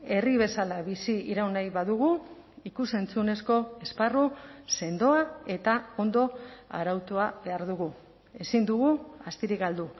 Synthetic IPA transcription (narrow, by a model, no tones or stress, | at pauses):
e̞riβe̞salaβisiiɾawnajβaðuɣ̞u | ikuse̞nt͡sune̞sko̞e̞sparuse̞nd̪o̞ae̞t̪ao̞nd̪o̞a̰ɾawt̪oaβe̞aɾðuɣu | e̞sind̪uɣ̞uast̪iɾikɡald̪u